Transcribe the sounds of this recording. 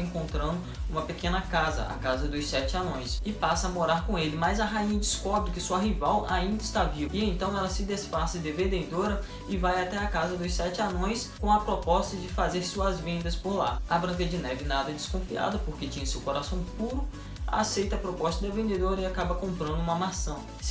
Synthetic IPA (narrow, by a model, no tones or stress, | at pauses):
ẽŋkõnt̪ɾɐ̃nd̪ʊũmɐpekẽnɐkazɐ̰ʔa̰kazɐd̪ʊjsɛt͡ʃɪanõj̃sɪpasɐɐmoɾaɾkõelɪmɐjzɐɦaĩɲɐd͡ʒɪskɔbɾɪkɪsuɐɦivawʔaĩnd̪ɐɪst̪avivɪẽt̪ɐ̃w̃ɛlɐsɪd̪esfasɐd̪evẽnd̪ed̪oɾɐ | ɪvajat̪ɛakazɐd̪ʊsɛt͡ʃɪanõj̃skõw̃ɐpɾɔpɔst̪ɐd͡ʒɪfazeɾsuɐzvẽnd̪ɐspoɾla̰abɾɐ̃ŋkɐd͡ʒɪnɛvɪnad̪ɐd͡ʒɪskõfia̰d̪ɐpoɾket͡ʃĩjɐsewkoɾasɐ̃w̃puɾʊ | a̰sejt̪ɐpɾopɔst̪ɐd̪ɐvẽnd̪ed̪oɾɐɪakabɐkõmpɾɐ̃nd̪ʊuũmɐmasɐ̃w̃